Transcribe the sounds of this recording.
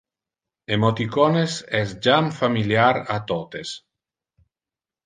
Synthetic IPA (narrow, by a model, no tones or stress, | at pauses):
emot̪ikɔnesɛsd͡ʒamfamiljaɾat̪ot̪es